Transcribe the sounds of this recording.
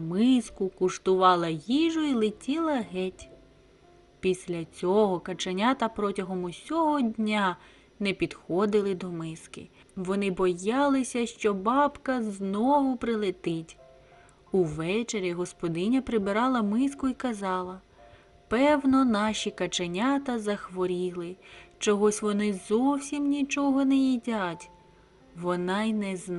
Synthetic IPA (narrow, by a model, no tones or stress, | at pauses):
mɪskʊkʊʃt̪ʊʋɑlˠɐjiʒʊilˠɪtʲilˠɐɦɛtʲ | pʲisʲlʲɐt͡sʲɔɦɔkɐt͡ʃɐnʲat̪ɐpɾɔtʲɐɦɔmʊsʲɔɦɔdʲnʲa | nɛpʲid̪̥xɔd̪ɪlˠɪd̪ɔmɪskɪ̰ | ʋɔnɪbɔjɑlˠɪsʲɐʃt͡ʃɔbɑbkɐznɔʋʊpɾɪlˠɪt̪ɪtʲ | uʋɛt͡ʃeɾʲiɦɔspɔd̪ɪnʲɐpɾɪbɪɾɑlˠɐmɪskʊikɐzɑlˠɐ | pɛwnɔnɑʃikɐt͡ʃenʲat̪ɐzɐxʋɔɾʲilˠɪt͡ʃɔɦɔsʲʋɔnɪzɔwsʲimnʲit͡ʃɔɦɔnɛjidʲatʲ | ʋɔnɑjnɛz